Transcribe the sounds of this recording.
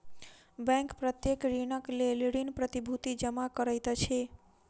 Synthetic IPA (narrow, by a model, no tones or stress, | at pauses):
bɛ̃ŋkpɾət̪jekɾinəkleleɽinpɾət̪ibʱut̪id͡ʒəmakəɾəjt̪t͡ʃʰe